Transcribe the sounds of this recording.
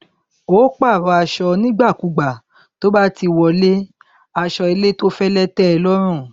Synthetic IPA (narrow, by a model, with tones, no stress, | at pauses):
o˨˦k͡pa˦˨ɾɔ˧˦a˧ʃɔ˧nĩ˦ɡ͡ba˦˨ku˨˧ɡ͡ba˨ | to˦ba˦ti˧wɔ˧le˦ | a˧ʃɔ˧e˧le˦to˦fɛ˦lɛ˦tɛ˦ɛ˧lɔ˦ɾ̃ũ˦˨